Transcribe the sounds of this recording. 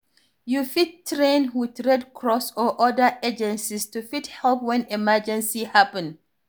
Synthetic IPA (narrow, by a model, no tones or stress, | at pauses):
jufit̚tɹẽnwɪdɹɛdkʰɹɔsɔʔɔdəed͡ʒɛ̃nsistufithɛlˠpwɛ̃nɛmɛd͡ʒɛ̃nsihapɛ̃n